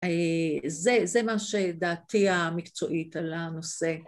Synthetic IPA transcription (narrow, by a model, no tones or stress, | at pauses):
ezezemaʃed̪aːt̪iamikt͡so̞ʔitalanose